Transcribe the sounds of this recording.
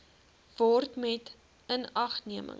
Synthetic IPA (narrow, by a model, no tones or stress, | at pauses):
vɔrtmɛt | ənɐχniəmə̰ŋ